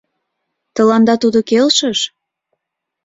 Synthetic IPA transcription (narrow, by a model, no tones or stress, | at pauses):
t̪ə̆lɑnd̪ɑt̪ud̪okelʃəʃ